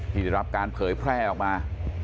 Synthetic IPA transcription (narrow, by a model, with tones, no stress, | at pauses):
t̪ʰiː˥˩ɛ˨˩jɾa˦˥p̚kaː˧npʰɤː˩˦jpʰɾɛː˥˩ʔɔː˨˩k̚maː˧